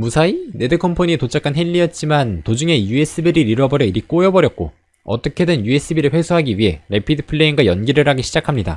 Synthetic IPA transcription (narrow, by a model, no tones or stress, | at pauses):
musʰaine̞dɯkʰompʰoɲitot͡ɕʰak͈ʰanɦeʎːiʌt̚t͡ɕ͈imantod͡ʑuŋe̞jue̞s͈ɯbiɾiɾiɾʌbʌɾjʌiɾik͈ojʌbʌɾjʌt̚k͈o̰ | ʌt͈ʌkʰe̞dɯnjue̞s͈ɯbiɾɯɭɸwe̞sʰoɦaɡiɥiɦe̞ɾe̞pʰidɯpʰɯɭːe̞iŋɡwajʌnɡiɾɯɾɦaɡiɕʰid͡ʑakʰamɲida̰